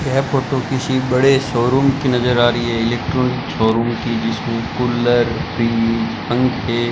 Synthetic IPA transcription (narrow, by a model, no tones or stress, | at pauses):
jɛɦpoːʈokɪsibɐɽesɔːɾuːmkinɐzəɾaːɾɐiɦɛɪleːk̚ʈɾɔːnɪksɔːɾuːmkid͡ʒɪsmẽkʊlːəɾpʰɾiːpɐ̃ŋɡe